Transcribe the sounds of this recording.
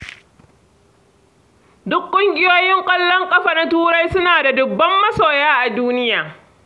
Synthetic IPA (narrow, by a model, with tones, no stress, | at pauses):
dʊ˦kkʷːʼʊ˦ŋɡʲɪ˦joː˦jɪ˦ŋkʷʼɐ˦lːɔ˦ŋkʼɐ˦ɸaː˨na˦tuː˦ɽa˦jsʊ˦naː˨da˨dʊ˨bːɐ˦mːɐ˦soː˨jaː˦ʔa˨duː˦nɪ˦jaː˨